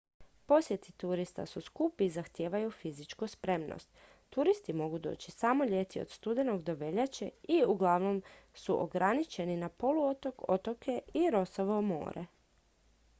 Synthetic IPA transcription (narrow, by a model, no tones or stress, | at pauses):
po̞sjet̪it̪uɾist̪a̰suskupizaxt̪jeːʋajufizit͡ʃkuspɾe̞mno̰st̪ː | uɾist̪imo̞ɡud̪o̞̰ːt͡ɕi̥samo̞ʎe̞t̪io̰d̪̥st̪ud̪e̞no̞ɡd̪o̞ʋe̞ʎat͡ɕeiuɡlˠaʋno̞msuʔo̰ɡɾanit͡ɕe̞ninapo̞luot̪o̞ko̞t̪o̞ke̞iɾo̞soʋomo̰ːɾʔḛ